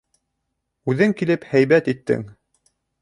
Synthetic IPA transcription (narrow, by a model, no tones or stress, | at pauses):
ʉðɘŋkilɘphæjβæt̪it̪ːɘ̰ŋ